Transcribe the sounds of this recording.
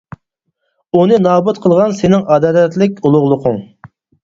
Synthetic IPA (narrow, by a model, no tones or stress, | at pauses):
unɨnɑːbut̪qʰəlˠʁɑnsenɪŋɑd̪ɑːlɛt̪lɪkʲulˠʊʁlˠʊqʰʊŋ